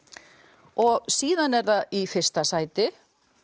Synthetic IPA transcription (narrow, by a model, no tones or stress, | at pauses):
ɔɣsiːðanɛɾðaifɪr̥st̪asaːjt̪ɪ